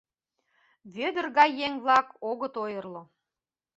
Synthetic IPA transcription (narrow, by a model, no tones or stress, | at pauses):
βød̪ərɣɑjːeŋβlɑkoɣə̆t̪ojɤrlŏ